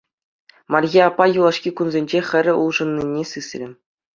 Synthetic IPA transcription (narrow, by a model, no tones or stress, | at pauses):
mɑrʲɣʲiɑpːɑjulˠɑʂkʲikunzʲenʲd͡ʑexʲɘ̆rʲɘ̆ṵlˠʐɤ̆nːinʲesɯsʲrʲɘ̆